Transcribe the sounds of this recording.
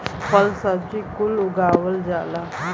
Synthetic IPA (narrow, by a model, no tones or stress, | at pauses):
pəlsat͡ɕikuluɡaʋəld͡ʑala